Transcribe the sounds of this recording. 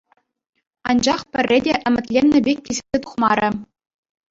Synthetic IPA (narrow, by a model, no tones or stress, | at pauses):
ɑnd͡ʑɑχpʲɘ̆rʲːedʲeʔɘ̆mʲɘ̆t̪ʲlʲenʲːɘ̆bʲek̚ʲtʲezʲɘ̥̆zʲet̪u̥χmɑɾʲɘ̆